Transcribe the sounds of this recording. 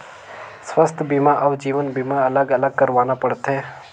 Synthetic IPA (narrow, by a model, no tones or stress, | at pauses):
sʋəst̪ʰbimaʔɐʋd͡ʒiːʋənbimaɐləɡɐləɡ̚kəɾʋaːnapəɽt̪ʰɦeː